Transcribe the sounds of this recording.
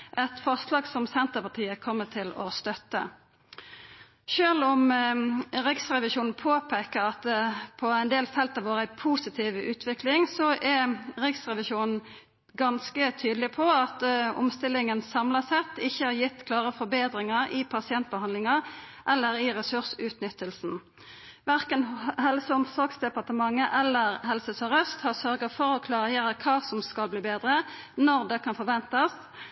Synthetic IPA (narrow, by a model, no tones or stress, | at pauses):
ʔɛt̪fɔʁslɑːɡsɔmsɛnt̪əpɑt̪ʰiːəkʰɔmːət̪ʰɪlɔst̪œt̪ːə̰ | ʃøːlɔm | ʁɪksʁɛʋɪʃuːnn̩pʰoːpʰeːkəʁɑt̪̚pʰɔæɪnd̪eːlfɛlt̪ɑʋoːɾæɪpʰusɪt̪ʰiːʋʉːt̪ʰʋɪklɪŋsɔʔɛʁɪksʁɛʋɪʃuːnn̩ | ɡɑnskət̪ʰyːd̪lɪpʰɔɑt̪ɔ̰mst̪ɪlːɪŋənsɑmlɑsɛt̪ːɪçːəhɑɾjɪt̪ːkʰlɑːʁəfɔɾbeːd̪ɾɪŋəɾɪpʰɑsɪɛnt̪̚bəhɑnd̪lɪŋɑʔɛlːəɾɪʁɛsʉʂʉːt̪nʏt̪ːəlsn̩ | ʋæʁkənɦɛlsəɔmsɔɾɡsd̪ɛpɑʁt̪əmɑŋːəʔɛlːəʁɦɛlsəsɔʁœst̪hɑʁsœɾɡəfɔɾɔkʰlɑːʁjeːɾəkʰɑːsɔmskɑlbliːbeːd̪ɾə | nɔɾd̪ɛkʰɑnfɔɾʋɛnt̪ɑs